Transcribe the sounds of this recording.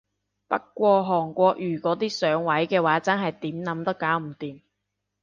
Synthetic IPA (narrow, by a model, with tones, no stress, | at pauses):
pɐ̰˥k̚kːʷɔː˧ɦɔː˨˩ŋkʷɔː˧k̚jyː˨˩kɔː˨˥t̪iː˥sœː˨˥ŋwɐ˨˥jkɛː˧waː˨˥t͡sɐ˥nɦɐ˨jt̪iː˨˥mnɐ˨˧˥mt̪ɐ˥kːaː˨˥wm̩˨˩t̪iː˨m